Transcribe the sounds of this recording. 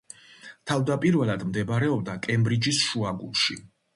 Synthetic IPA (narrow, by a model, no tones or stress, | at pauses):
t̪ʰavd̪apʼiɾvɛlˠad̪md̪ɛbɾɛɔb̚d̪akʼɛmbɾid͡ʒisʃuaɡṵlˠʃi